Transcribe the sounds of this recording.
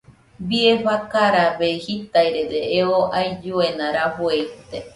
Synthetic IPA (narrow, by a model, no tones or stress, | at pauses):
bieɸakaɾaβehit̪aiɾedeeoʔajd͡ʒuenãɾaɸoeit̪e